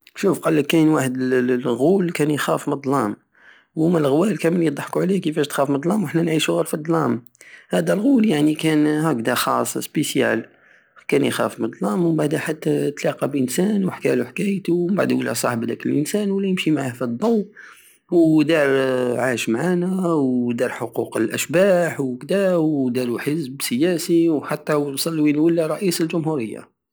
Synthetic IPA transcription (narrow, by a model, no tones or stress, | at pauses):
ʃufqɑlːəkːænwaħəd̪əɣulkænjxæfməd̪ˤlɑm | wmælɣwælkæmənljd̪ˤəħkuʕlikəfæʃt̪xæfməd̪ˤlɑmwəħnænʕiʃuɣælfid̪ˤlɑm | hæd̪ælɣuljaʕnikænhækd̪æxɑ̰sˤspesjæ̰l | kænjxæ̰fməd̪ˤlɑmwbaʕd̪hæħat̪ːæt̪lɑqɑbʔənsænwħkæluħakæjt̪umbaʕd̪wəlːæsˤɑħbd̪ækəlʔənsænwlːæjəmʃimaʕahfid̪ˤːomː | wd̪ɑɾˤʕaʃmʕanæwd̪ɑɾˤħoquqəlʔæ̰ʃbæħwkd̪æwd̪æɾuħəzbsəjæsiwħat̪ːæwlsˤɑlːwinwəlːæɾˤɑʔisəlʒʊmɦuɾəjːa̰